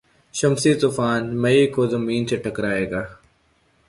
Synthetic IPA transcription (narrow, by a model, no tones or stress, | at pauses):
ʃɐmsit̪ʊfaːnmɐikozɐmiːnseʈʰɐkɾaːeːɡaː